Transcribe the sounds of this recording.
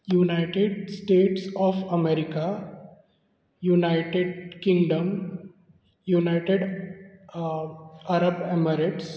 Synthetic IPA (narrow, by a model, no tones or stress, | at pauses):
junaɪʈeɖsʈeːʈsɔːfɐmeɾɪka | junaɪʈeɖkɪ̃ŋɡɖəm | junaɪʈeɖ | aɾəbeməɾeʈs